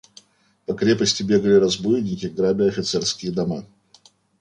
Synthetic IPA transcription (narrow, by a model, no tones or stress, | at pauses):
pɐkɾʲepəsʲtʲɪbʲe̞ɡəlʲɪɾɐzbujɪnʲɪkʲɪɡɾabʲɪɐfʲɪt̪sɛrskʲɪjəd̪ɐma